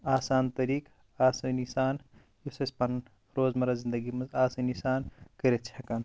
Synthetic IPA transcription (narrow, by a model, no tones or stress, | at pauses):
aːsaːnt̪ɐɾiːk | aːsɐnisaːn | josɐspɐn | ɾoːzmɐɾɐzind̪əɡimɐzaːsɐnisaːnkɐɾet̪̚t͡ʃʰɐkɐn